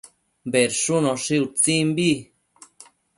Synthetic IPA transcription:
mbeɾʂunõʂiut͡simbi

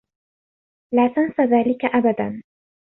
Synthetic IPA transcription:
laːt̪ansaðaːlɪkaʔabad̪an

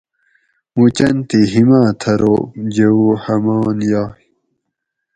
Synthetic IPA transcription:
mut͡ɕɐnt̪iɦimãːt̪ʰɐɾo̰d͡ʑeuhɐmaːnjaː

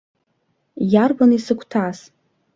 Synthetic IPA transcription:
jarbanisɨkʷʰtʰas

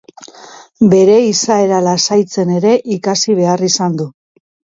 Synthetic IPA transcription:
be̞ɾe̞isae̞ɾalasajt͡se̞ne̞ɾe̞ʔikasiβ̞e̞arisand̪u

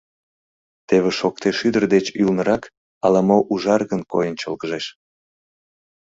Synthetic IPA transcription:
t̪eβeʃokt̪eʃyd̪ərd̪et͡ɕylnəɾɑk | ɑlɑmoʔuʒɑrɣənkojənt͡ɕəlɣəʒeʃ

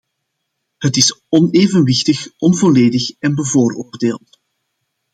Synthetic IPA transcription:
ɦətɪsɔneːvənwɪxtəxɔnvoleːdəxɛnbəvoːroːrdeːlˠt

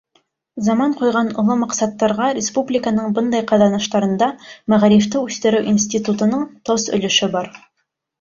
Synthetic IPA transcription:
zɑmɑɴqujʁɑnŏlˠɤmɑqsɑt̪ːɑɾʁɑɾʲɪspublʲikənɤɴbɤnd̪ɑjqɑðɑnɑʃt̪ɑɾɤ̆nd̪ɑmæʁɾift̪ɘʉθt̪ɘ̆ɾɘwʔinsʲt̪ʲit̪ut̪ɤ̆nɤɴt̪ɑzɵ̰̆lɵ̆ʃɘbɑɾ

